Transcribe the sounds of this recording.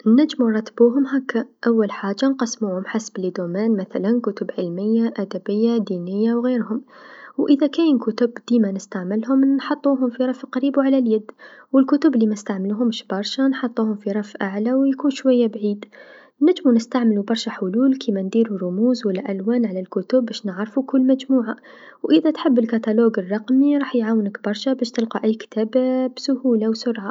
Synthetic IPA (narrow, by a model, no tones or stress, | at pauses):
nːad͡ʒːmunɾˤɑt̪ːbuːɦʊmɦaːkːaʔawːalħaːd͡ʒːanqɑsmuːhʊmħasblid̪oːmaːnmaθalankʊt̪ʊbʕɪlmɪjːaʔad̪abɪjːad̪iːnɪjːawɣeːɾhʊmwʔɪðakaːnkʊt̪ʊbd̪̥iːmanɪst̪aʕmɪlɦʊmnħɑt̪ˤːuːɦʊmfiɾˤɑfqɑɾiːbwʕalaljad̪ːwɪlkʊt̪ʊblimast̪aʕmɪluɦʊmʃbɑɾˤʃanħɑt̪ˤːuːhʊmfiɾˤɑfʔaʕlawjkuːnʃwajːabʕiːd̪ | nad͡ʒmunɪst̪aʕmɪlubɑɾˤʃaħʊluːlkʰimand̪iːɾurˤʊmuːzwalːaʔalwaːnʕalalkʊt̪ʊbːæːʃnɪʕɾfukʊlːmæd͡ʒmuːʕa | wʔɪðat̪ħɪbːɪlkat̪aloːɡɨrˤːɑqmiɾˤɑːħjʕaːwnəkbɑɾˤʃabæːʃt̪ɪlqɑʔæjːkt̪ʰaːbabsʊhuːlawsʊɾˤʕa